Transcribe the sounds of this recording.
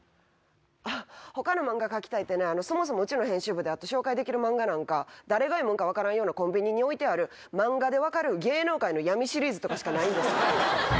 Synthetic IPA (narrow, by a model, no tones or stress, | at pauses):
aho̞kano̞mãŋɡakakʲi̥t̪ait̪ːe̞ne̞ano̞so̞mo̞s̬o̞mo̞ɯ̟t͡ɕinoɦẽ̞ɰ̃ɕɨːbɯ̟d̪e̞at̪ːo̞ɕo̞ːkaid̪e̞kʲiɾɯ̟mãŋɡanãŋkad̪aɾe̞ɡaimõŋkaβ̞akaɾãɰ̃jo̞ːnakõ̞mbʲiɲ̟iɲ̟io̞it̪e̞aɾɯ̟ | mãŋɡad̪e̞β̞akaɾɯ̟ɡe̞ːno̞ːkaino̞jamʲiɕiɾʲiːzɨt̪o̞kaɕi̥kanaĩnd̪e̞sɨ̥ka